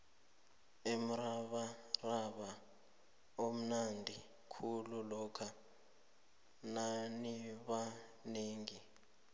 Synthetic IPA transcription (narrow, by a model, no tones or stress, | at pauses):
em̩raɓaraɓa | om̩nandʱi | kʰululɔkʰa | naniɓa | neːŋi